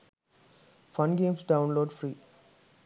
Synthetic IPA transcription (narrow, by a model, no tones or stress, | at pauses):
fʌ̃nɡẽːmsɖãʊ̃nloːɖfɾiː